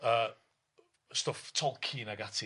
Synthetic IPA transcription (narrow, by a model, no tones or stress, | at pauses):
ə | stʊftʰɔlˠkʰiːnaɡatʰi